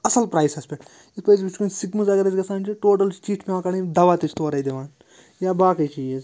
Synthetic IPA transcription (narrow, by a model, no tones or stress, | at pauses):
ɐsɐlpɾaːjsɐspʲeʈ | ispɐjsbit͡ʃʰkunʲsikmɨzɐɡɐɾet͡ʃʲɡɐsaːnt͡ʃʰiʈoːʈɐlt͡ʃt͡ʃiːʈʰmiãːkɐɳid̪ɐʋaːt̪ɐt͡ʃʰt̪oːɾɐid̪eʋaːn | jaːbaːkɐjt͡ʃiez